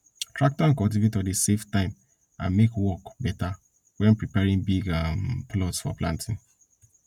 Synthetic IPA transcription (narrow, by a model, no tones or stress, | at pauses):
tʰɹak̚tɔãnkɔlt̬ivetɔɾiseftãɪ̃m | ã̰nmekwɔkbɛta | wɛ̃npɹipɛɹĩŋbiɡamplɔtsfɔ̰plã̰ntʰɪ̃n